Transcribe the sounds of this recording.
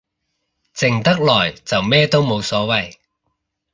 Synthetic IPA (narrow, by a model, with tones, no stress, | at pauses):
t͡sɪ˨˩ŋt̪ɐ˥k̚lɔː˨˩jt͡sɐ˨wmɛː˥t̪o˥wmo˨˧wsɔː˨˥wɐ˨˩j